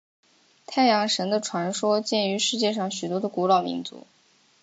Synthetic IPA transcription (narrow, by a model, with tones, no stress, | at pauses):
t̪ʰa˥˩ɪjɑ˧˥ŋʂə˧˥nd̪ə˧ʈ͡ʂʰwa˧˥nʂwɔ˥t͡ɕjɛ˥˩ny˧˥ʂɻ̩˥˧t͡ɕjɛ˥˧ʂɑ˥˩ŋɕy˨˩t̪wɔ˥d̪ə˧ku˧˥lɑ˨˩ʊmḭ˧˥nt͡sṵ˧˥